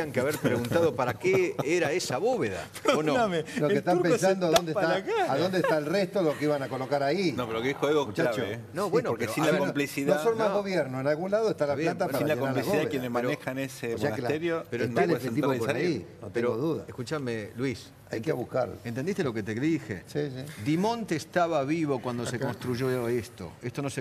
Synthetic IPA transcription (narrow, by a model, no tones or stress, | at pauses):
iaŋkeaβeɾpɾeɣunt̪aðopaɾakeeɾaesaβoβeða̰ | nomelokkest̪ampens̬and̪oaðond̪et̪aakaaðond̪est̪aelrest̪olokeiβanakolo̞kaɾainopeɾookeixoeɣomut͡ʃaat͡ʃonoβwenooɾkesinlaomplisiðossonmaɣɣo̞βjɛɾnoenalɣunlaðoest̪alaβjllat̪apaɾiananoaɾliaβoðaekjenesmeɾonexaneseʒanket̪eɾjopeɾot̪alesfet̪iβoainot̪peɾoɡoðuða̰eskut͡ʃamelwis | a̰jkeaβuhka̰ɾ̰ent̪end̪ist̪eloket̪eðixḛsisid̪imõ̞nt̪eːst̪aβaβiβo̞kwand̪ossekonst̪ɾuʒoest̪o̰est̪onose